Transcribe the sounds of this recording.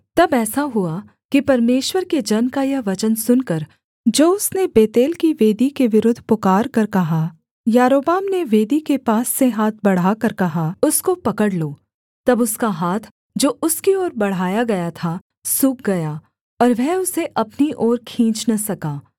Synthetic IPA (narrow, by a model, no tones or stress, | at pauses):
t̪ɐbɛːsaɦʊa | kipɐɾmeːʃwəɾked͡ʒɐnkajɐɦʋɐt͡ʃənsʊnkɐɾ | d͡ʒoːʊsnebeːt̪eːlkiʋeːd̪ikeʋɪɾʊd̪ʱpʊkaːɾkɐɾkɐɦa | jaːɾoːbaːmneʋeːd̪ikepaːsːeɦaːt̪̚ʰbɐɽ̤aːkɐɾkɐɦaʊskopɐkəɽloː | t̪ɐbʊskaɦaːt̪ʰ | d͡ʒoːʊskiɔːɾbɐɽ̤aːjaɡɐjat̪ʰa | sʊːk̚ɡɐjaː | ɔːɾʋɛɦʊseʔɐpniʔɔːɾkʰĩːt͡ʃnɐsɐkaː